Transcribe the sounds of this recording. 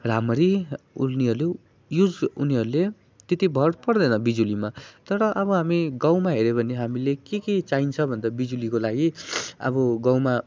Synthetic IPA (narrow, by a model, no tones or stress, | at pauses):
ramʌɾiṵlniɦʌɾulu | jud͡zuniɦʌɾule | t̪et̪ibʱʌrpʌrd̪ʌnʌbid͡zulimat̪ʌɾʌʔʌbʌɦamiɡawmaɦeɾebʱʌneɦamilekeket͡saint͡sʰʌbʱʌnd̪abid͡zulikolaɡiʌ̰bʌɡawma